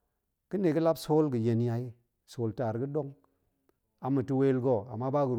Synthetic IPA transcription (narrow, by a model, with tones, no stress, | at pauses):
kɨ˦ne˨kɨ˦la˦bso˦lɡɨ˨je˨n˦ja˨ji˦ | so˨lta˨ɾɡɨ˦do˦ŋ | a˨mɨ˨ti˦we˦lɡo˦˨a̰˨mːa˦ba˦kɡɨ˨